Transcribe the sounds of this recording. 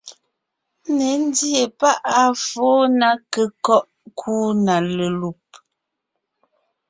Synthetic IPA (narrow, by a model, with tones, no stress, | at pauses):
ne˨˦n̩˦dje˨pa˦ʔa˦foː˨˦na˨kə˨kɔ˦ʔ | kʰuː˦na˨lə˨lu˨p̚